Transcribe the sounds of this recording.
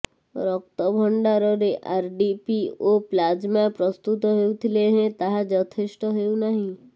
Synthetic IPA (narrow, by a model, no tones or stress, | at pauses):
ɾɔk̚t̪əbʱəɳɖaɾɔɾeʔaɾɖipioplaːd͡ʒmapɾɔst̪ut̪ɦeut̪ʰileɦɛ̃t̪aɦad͡ʒɔt̪ʰɪsʈɦeunaɦĩ